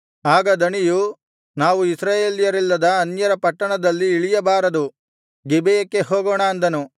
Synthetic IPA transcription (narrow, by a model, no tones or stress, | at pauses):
aːɡɐd̪ɐɳiju | naːʋuisɾaːjeːljɐɾilːɐd̪ɐɐnjɐɾɐpɐʈːɐɳɐd̪ɐlːiːɭijɐbaːɾɐd̪u | ɡibejɐkːe̞ɦoːɡoːɳaɐnd̪ɐnu